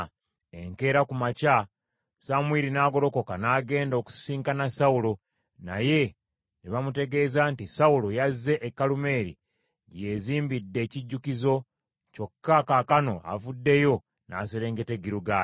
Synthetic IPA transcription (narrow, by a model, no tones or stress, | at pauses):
eŋke̞ːɾakumaca | samwiɾinaːɡo̞ɾo̞ko̞kanaːɡe̞ːndo̞ku̥siːŋkanasaulo | na̰je̞ | neβamute̞ɡe̞ːzantisaulojazːe̞ʔekːalume̞ːɾḭ | ɟe̞ziːmbidːe̞ːciɟːukizo̞ | co̞kːakaːkano̞a̰vudːe̞jo̞ | naːseɾe̞ːŋɡeteɡiɾuɡaː